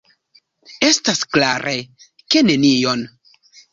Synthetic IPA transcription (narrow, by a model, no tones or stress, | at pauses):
e̞staskla̰ɾʔe | ke̞ne̞nijo̞n